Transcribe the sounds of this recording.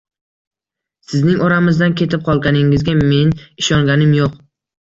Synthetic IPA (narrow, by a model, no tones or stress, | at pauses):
sɪznɪŋɒɾamɪzd̪ankʲʰe̞t̪ʰɪp̚qʰɒlˠɡʲanɪŋɪzɡʲame̞nɪʃɒŋɡʲanɪmjoq